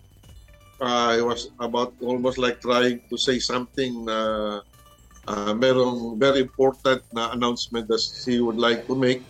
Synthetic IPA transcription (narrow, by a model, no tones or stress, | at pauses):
ʔahiwʌsɐbawt̪̚ɔlmost̪lajk̚t̪ɾɹajɪ̃ŋt̪usejsɐ̃mθɪ̃ŋnɐ | ʔamɛɾoŋvɛɾiɪ̃mpoɹt̪ɐ̃nt̪̚nɐɐnawnsmɛ̃nt̪̚d̪ɐt̪̚hiwʊd̪lajk̚t̪ʊmejk̚